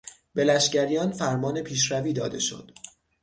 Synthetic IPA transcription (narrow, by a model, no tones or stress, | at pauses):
be̞læʃɟæɾijɒːnfæɾmɒːne̞pʰiːʃɾæviːd̪ɒ̰ːd̪e̞̰ʃo̰d̪̥